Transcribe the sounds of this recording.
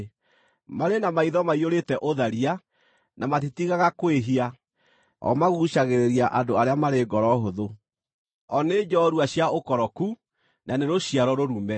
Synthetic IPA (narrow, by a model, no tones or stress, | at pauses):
maɾenamaiðɔmaioɾetɛʔoðaɾia | nʔamatitiɣaɣakoweɦia | ɔ̰maɣuʃaɣeɾeɾiaʔadoaɾeamaɾeɡɔɾɔɦoðo | ɔned͡ʒɔɾuaɕjaokɔɾɔku | naneɾoɕiaɾɔɾoɾumɛ